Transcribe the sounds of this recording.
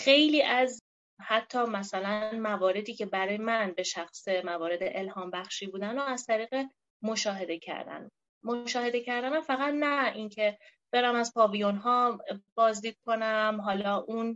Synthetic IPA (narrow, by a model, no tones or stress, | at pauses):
xe̞jliːʔæz | hæt̪ʰːɒːmæsælænmævɒːɾe̞d̪iːcʰe̞bæɾɒːjemænbe̞ʃæxsemævɒːɾe̞d̪eʔelhɒːmbæxʃiːbuːd̪ænɒæzt̪ʰæɾiːɣe | moʃɒːɦe̞d̪e̞cʰæ̰ɾd̪æ̰n | moʃɒːhe̞d̪ecʰæɾd̪æmæfæɣæt̪næiŋcʰe̞b̥eɾæmæzpʰɒːvijonɦɒːb̥ɒːzd̪iːd̪̥̚kʰo̞næmɦɒːlɒːʔun